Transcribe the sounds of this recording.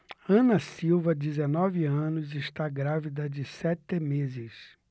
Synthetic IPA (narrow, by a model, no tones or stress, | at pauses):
ɐ̃nɐsiwvɐd͡ʒɪzenɔvɪɐ̃nʊzɪʃt̪aɡɾavid̪ɐd͡ʒɪsɛt̪ɪmezɪs